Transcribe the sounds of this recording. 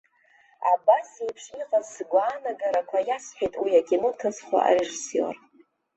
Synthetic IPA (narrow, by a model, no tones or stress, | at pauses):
a̰basejpʰʂiqʼazsɡʷaːnaɡaɾakʷʰajasħʷᶣajtʼwiakʲʰʼinotʰɨsχʷa̰ʔa̰ɾeʐisijo̰r